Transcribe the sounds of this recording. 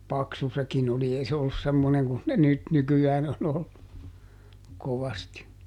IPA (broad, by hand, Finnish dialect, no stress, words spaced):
pɑksu sekin oli ei se olːus semːoneŋ kun ne nyt nykyæːn on olːu koʋɑsti